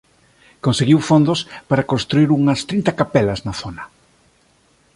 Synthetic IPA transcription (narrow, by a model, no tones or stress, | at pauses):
konseɣiwfond̪ospaɾɐkonst̪ɾuiɾuŋɐst̪ɾint̪ɐkapɛlɐznɐθonɐ